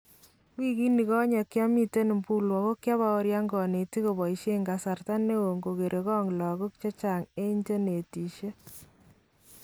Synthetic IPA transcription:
kwi˦ki˦ni˨kɔ˦ɲɛ˨kja˦mi˦te˦ni˨mpu˦lwɔ˨ko˦kja˦βa˦o˦ɾja˦ŋɡɔ˨ne˨ti˦ko˨bɔ˨i˨ʃe˦ŋɡa˨sa˨rta˦nːe˦wo˨ŋɡo˨ke˨ɾʔe˨kɔ˦ŋlɔ˨ɣo˦k̚t͡ʃɔ˦t͡ʃa˨ŋe˦ɲt͡ʃe˦ne˨ti˨ʃe˦

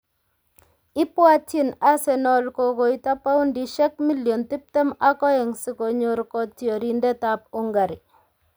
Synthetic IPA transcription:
ɪ˦pwa˦tɪ˦na˦sɛ˨nɔ˨lko˨ko˨ita˦pa˦ʊ˦ndiʃɛ˦kmi˦ljɔ˨nt̪ɪ˦p̚tɛ˦makɔ˦ɛ˨ŋsɪ˨ko˨ɲo˨ɾkɔ˦tjo˨ɾindɛ˦tap̚ʊ˦ŋɡa˨ɾi

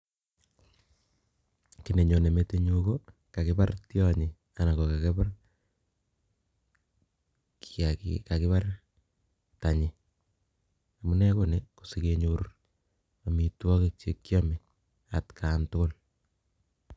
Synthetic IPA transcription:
ki˨ne˨ɲo˨ne˨me˦teɲoko | ka˨kɪbartjɔɲɪ˨ | a˨na˨ko˨ka˨ke˦ba˦r | kakḭka˨kɪ˦pa˦r | ta˨ɲɪ˨ | a˨mu˦nɛ˦koneku˨si˨ke˦ɲoɾ | a˨mi˨twɔ˦kek̚t͡ʃe˦kːjɔmi˨ | a̰˨tkʰaːntʊ˦ko˦l

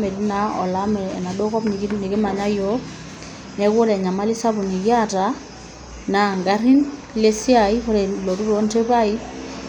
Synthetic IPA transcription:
mɛ˨di˦na˦ɔ̰˨la˦mɛ˨ɛ˨na˨dɔ˦kɔ˦pni˨kni˨ki˦ma˨ɲa˦jɔ˦ | nɛ˦kɔ˦lɛ˨ɲa˨ma˦li˦sa˦bu˨ni˨ki˦a˦˨ta˨˦ | na˨ŋɡa˦ɾi˦n | le˦si˦a˨i˦ɔ˦ɾɛ˨lɔ˨ɾu˦ɾɔ˨˦nte˦pa˦i˦

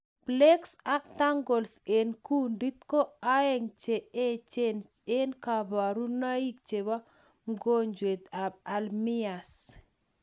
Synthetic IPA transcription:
ble˦ksa˦k̚t̪a˦ŋɡo˨lse˨nku˦ndi˦t̪̚ko˦a˦ɛ˦ŋt͡ʃe˨e˦t͡ʃe˦n | e˦nka˨ba˨ɾu˦na˦i˦k̚t͡ʃe˨ba˦ | ŋɡo˦ɲd͡ʒwe˨t̪a˨b̚a˨lmi˦a˨s

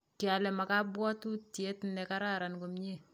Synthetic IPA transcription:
tja˨lɛ˨ma˨ka˦bwɔ˦tu˦tje˦tnɛ˨ka˦ɾa˦ɾa˨nko˨mɲe˦˨

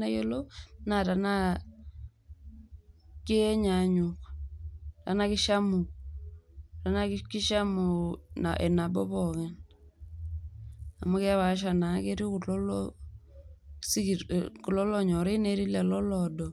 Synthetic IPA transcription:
na˦je˦lo˦na˨ta˨na˦ | ki˦ɲa˨ɲu˨k | ta˨na˦ki˦ʃa˦mu˨ | ta˨na˦kki˦ʃa˦mu˨na̰˨ʔɛ˨na˨bɔ˦βɔ˨ŋɛ˦ | a̰˨mu˦kɛ˦βa˨˦ʃ̬a˨na˨ke˦ɾi˦ku˨lɔ˦lɔ | si˦ku˨lɔ˦lɔ˦ɲɔ˨ɾe˦i˦ne˨˦ɾi˦lɛ˨lɔ˦lɔdɔ˨

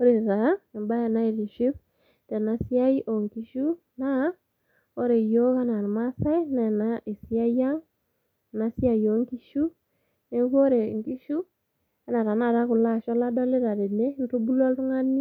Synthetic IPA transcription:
o˦ɾe˨ɾa˨ɛ˨mba˦ja˨na˦i˨ɾi˨ʃɪ˦β | tɛ˨na˨si˦a˦i˦ʔo˨ŋki˨ʃu˦ | na˦ | o˦ɾe˨jo˦ka˦na˨ɾma˦sa˦i˦nɛ˨na˦i˨si˦a˦ja˦ŋ˨ | na˦si˦a˨jo˨˦ŋki˦ʃu˦ | ne˨˦ko˦ɾe˨ŋki˦ʃu˦ | a˦na˨ɾa˨na˦˨ɾa˦ku˨la˦ʃɔ˦la˦dɔ˦le˦ɾa˨ɾe˨ne˦n˦to˦bu˦lɔ˦ltu˦ŋa˦ni˦

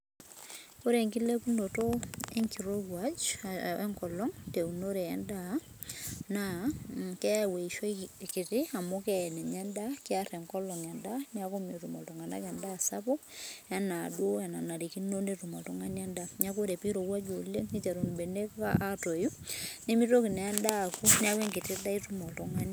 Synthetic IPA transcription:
ko˦ɾe˨ŋki˦le˦ku˦ndo˨toe˦ŋki˨ɾowwad͡ʒʔɛ˦ŋkɔ˨lɔ˦ŋte˨u˨no˦ɾe˨ɛ˨nda˦ | na | kɛ˦we˨i˨ʃo˦ki˨ti˦a˨mokɛ˦ɛ˨nɛ˨ɲa˦nda˦kɪ˦aɾɛ˨ŋkɔ˦lɔ˨ŋɛ˨nda˦nja˦ko˦me˨tu˨mɔ˨ltɔ˨ŋa˨na̰˦kɛ˨nda˦sa˦pɔ˦a˦na˨dwo˦a˨na˨na˨ɾi˨ki˦no˦netu˨mɔ̰˨tɔ˦ŋa˦na˦nda˦ɲa˦ko˦ɾe˨pi˦ɾo˨wa˦d͡ʒo˨le˦ni˦t͡ʃa˨ɾo˨nbe˨ne˦ka̰ʔato˨ju˦ni˦mi˦to˦ki˨nɛ˨ɛ˦nda˦˨ku˦nja˦ke˦ŋɡɪ˨ti˦da˦i˦tu˦mɔ˨tɔŋa˦n

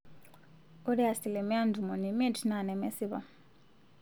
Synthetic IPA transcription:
ɔ˦ɾi˦a˨si˨lɛ˨mi˦a˦ndʱu˨mɔ˨ni˨me˦tʰi˨na˨nɛ˨mɛ˦si˦βa̰˨

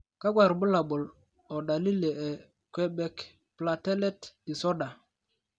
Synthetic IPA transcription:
ka˦kwa˨ɾbʊ˦la˨bʊ˨l | ɔ˨ɗa˨li˦le˨ɛ˨ | kwɛ˦bɛ˦k | pla˨tɛ˦lɛ˦tdi˨sɔ˦da˨

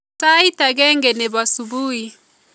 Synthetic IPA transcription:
ta˦i˦ta˨ɡɛ˦ŋɡɛ˨nɛ˨ba˨su˨buː˦hi˨

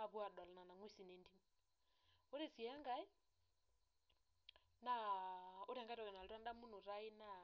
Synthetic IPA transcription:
a˦βwa˨dɔ˨lɔ˨na˨na˨ŋwi˦si˨ne˨ndi˦m | o˦ɾe˨si˨a˦ŋɡa˦i˦ | na˦o˦ɾɛ˨ŋɡa˦ɾɔ˨ɣɛ˨na˨lda˦nda˦mu˦no˨ɾa˦i˦na˦˨

